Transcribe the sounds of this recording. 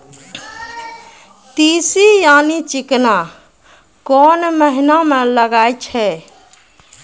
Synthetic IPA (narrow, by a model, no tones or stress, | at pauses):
t̪iːsijaːnit͡ʃɪkna | kɔːnməɦinamẽləɡaːjt͡ʃʰɛ